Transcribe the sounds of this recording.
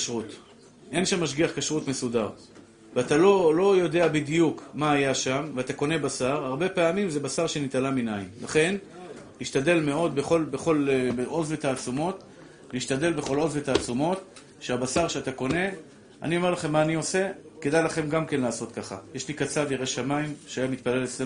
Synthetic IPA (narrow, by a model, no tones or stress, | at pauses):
ʃʁut̪ | ʔe̞nʃamːaʃɡiaχkaʃʁutme̞sudaʁ | veat̪alo̞lo̞jo̞d̪e̞abid̪jukmaːjaʃamveat̪ako̞ne̞basaʁaʁbe̞peamimzebasaʁʃenit̪alaminajimla̰χe̞n | liʃt̪ad̪e̞lme̞o̞d̪beχo̞lbeχo̞lbeʔo̞zvet̪aːt͡sumo̞t̪ | liːʃt̪ad̪e̞lbe̞χo̞lo̞zvet̪aːt͡sumo̞t̪ | ʃeabasaʁʃeat̪ako̞ne̞ | a̰nio̞me̞ʁlaχe̞mːaːnio̞se̞ke̞d̪ajlaχe̞mɡamke̞nlaːso̞t̪kaχa̰je̞ʃlikat͡saviʁeʃamaimʃeajamit̪̚pale̞lese